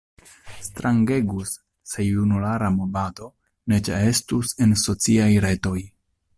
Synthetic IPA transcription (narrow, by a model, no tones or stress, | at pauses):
stɾaŋɡe̞ɡusː | e̞junulaɾamobato̞ | ne̞t͡ʃḛe̞stuse̞nso̞t͡siajɾe̞to̞j